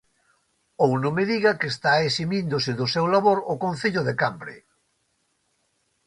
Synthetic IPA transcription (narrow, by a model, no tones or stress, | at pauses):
ownõmeðiɣɐkest̪aesimind̪ʊsɪðʊsewlaβoɾʊkõnθeʎʊðekambɾḛ